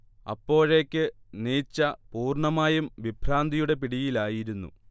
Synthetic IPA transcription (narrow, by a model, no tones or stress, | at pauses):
ɐ̰pːo̞ːɻe̞ːkʲːɨniːt͡ɕːɐpuːrɳɐmaːjumʋibʱraːnd̪ʱijuɽe̞piɽijilaːjiɾunːṵ